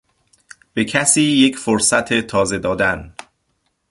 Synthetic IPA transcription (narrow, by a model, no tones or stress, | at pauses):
b̥e̞cʰæsiːje̞cʰfoɾsæt̪ʰe̞t̪ʰɒːze̞d̪ɒːd̪æn